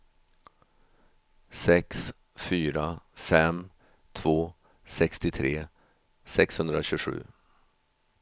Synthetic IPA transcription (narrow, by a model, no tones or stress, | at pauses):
sɛks | fyːɾafɛm | t̪ʰvoː | sɛkst̪ɪt̪ʰɾeː | sɛkshɵnd̪ɾaɕɵɧʉ̟̰ː